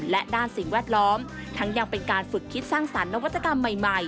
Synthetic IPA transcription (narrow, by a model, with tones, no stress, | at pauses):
lɛ˦˥ʔdaː˥˩nsi˨˩ŋwɛː˥˩t̪̚lɔː˦˥m | t̪ʰa˦˥ŋja˧ŋpe˧nkaː˧nfɯ˨˩kʰːi˦˥t̪̚saː˥˩ŋsa˩˦nːa˦˥wa˦˥t̪ːa˧ka˧mːa˨˩jma˨˩j